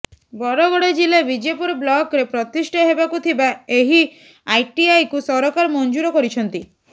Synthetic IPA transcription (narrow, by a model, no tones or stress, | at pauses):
bɔɾɔɡɔɽed͡ʒilabid͡ʒepuɾblɔkɾepɾɔt̪isʈʰaɦebakut̪ʰibaeɦi | ajʈiajkusɔɾɔkaɾmɔnd͡ʒuɾɔkɔɾit͡ʃʰɔnt̪i